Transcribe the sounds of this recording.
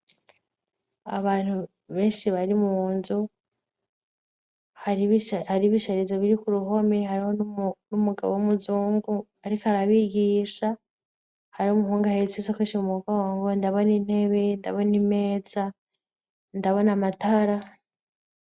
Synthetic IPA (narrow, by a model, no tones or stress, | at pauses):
a̰βaːn̥hu | βe̞ːʃiβaɾimuːnzu | haɾiβhaɾiβiʃaɾizoβiɾikuɾuɦo̞meɦaɾihonumuɡa̰βomuzuːŋɡu | aɾikaɾaβiɟiʃa | haɾiomuhuːŋɡahet͡sizekwiːʃimumuɡoːŋɡo̞ndaβo̞nin̥e̞βe̞nda̰βo̞nime̞ːza | ndaβo̞namataɾa